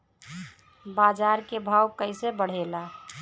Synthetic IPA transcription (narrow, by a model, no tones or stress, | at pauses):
bad͡ʒaɾkebʱawkəɪsebəɽ̤ela